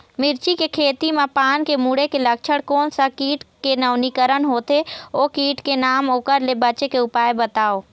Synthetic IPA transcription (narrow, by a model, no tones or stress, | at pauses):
mɪɾt͡ʃikekʰeːt̪imãpaːnkemuːɽekelək̚t͡ʃʰəɽkoːnsɐkiːʈkenəʊnikəɾənɦoːt̪eoːkiːʈkenaːmoːkəɾlebəːt͡ʃekeʊpaːebət̪aːoː